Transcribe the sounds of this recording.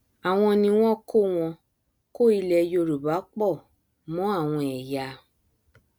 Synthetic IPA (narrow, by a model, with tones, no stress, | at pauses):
a˨w̃ɔ̃˧nĩ˧w̃ɔ̃˦ko˦˨w̃ɔ̃˧ | ko˦˨i˧lɛ˧jo˧ɾu˨ba˨˦k͡pɔ˦˨ | mɔ̃˨˦a˦˨w̃ɔ̃˧ɛ˨ja˧